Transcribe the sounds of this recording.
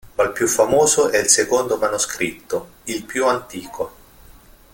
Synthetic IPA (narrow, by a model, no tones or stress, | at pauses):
malpjufːamoːzoʔɛilsekond̪omanuskɾit̪ːo | ilpjuant̪iːkʰo